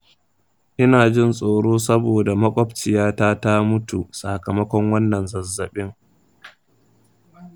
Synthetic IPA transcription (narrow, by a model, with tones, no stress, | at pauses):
ʔɪ˦naː˨d͡ʒɪ˦˨nsʼoː˨ɽoː˦sɐ˦boː˨da˨mɐ˦kʷʼɔ˦bt͡ʃɪ˨jaː˦taː˦ta˦mʊ˦tu˨sa˨kɐ˨mɐ˦kʷɔ˦ŋwɐ˦nːɐ˨nzɐ˨zːɐ˨ɓɪ˦ŋ